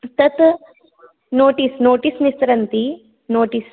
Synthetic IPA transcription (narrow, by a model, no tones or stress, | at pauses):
t̪ɐt̪ | noːʈisnoːʈisnist̪ɾɐnt̪i | noːʈis